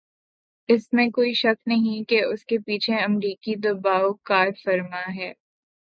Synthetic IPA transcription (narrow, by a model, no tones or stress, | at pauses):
ɪsmẽkoːiʃɐknɐɦĩkeʊskepiːt͡ʃʰeɐmɾiːkid̪ɐbaːokaːɾfɐɾmaɦɛː